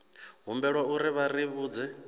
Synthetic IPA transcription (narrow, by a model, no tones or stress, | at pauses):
ɦumbɛɺwauɾiβariβuːd͡zɛ